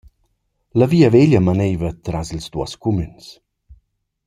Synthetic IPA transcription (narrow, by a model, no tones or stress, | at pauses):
ləviːəveʎəmənɛjvət̪ɾazilzd̪uə̰skumyns